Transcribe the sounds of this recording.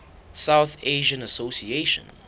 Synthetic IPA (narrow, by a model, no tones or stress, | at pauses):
sawθeʒə̃nəsosieʃɔ̰̃n